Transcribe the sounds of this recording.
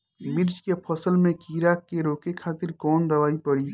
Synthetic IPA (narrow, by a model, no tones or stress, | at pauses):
mɪɾd͡ʒkepʰɐsəlmẽkiːɾaːkːeɾoːkekʰaːt̪ɪɾkɔːnd̪ɐʋaːipɐɽiː